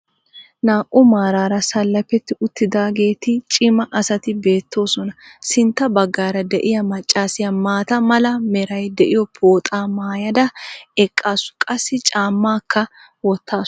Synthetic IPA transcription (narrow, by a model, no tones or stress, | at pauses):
naːʔʊmaːɾaːɾɐsɐlːɐpːɛt̪ːɪʊt̪ːɪd̪aːɡe̞ːt̪ɪt͡ʃʼɪmɐʔɐsɐt̪ɪbe̞ːt̪ːo̞ːsɔnɐsɪnt̪ːɐbɐɡːaːɾɐd̪ɛʔɪjɐmɐt͡ʃʼːaːsɪjɐmaːt̪ɐmɐlɐmɛɾɐjd̪ɛʔɪjɔpʰo̞ːt̪ʼaːmaːjɐd̪ɐɛkʼːaːsʊ̥kʼɐsːɪt͡ʃʼaːmːaːkʰːɐ | wɔt̪ʰːaː